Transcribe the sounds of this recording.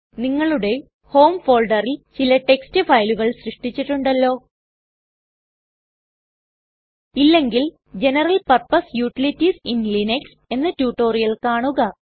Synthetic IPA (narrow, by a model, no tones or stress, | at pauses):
niŋːɐɭuɽe̞ | ho̞ːmfo̞ːlɖɐrilt͡ɕilɐʈe̞kstɨfɐjluɣɐɭɕrɨʂʈit͡ɕːiʈːuɳɖɐlːo̞ː | ilːe̞ŋɡil | d͡ʑe̞nɐrɐlpɐrpɐsjuːʈilitːisinlineks | e̞nːɐtuːʈːo̞ːrijɐlkaːɳuɣɐ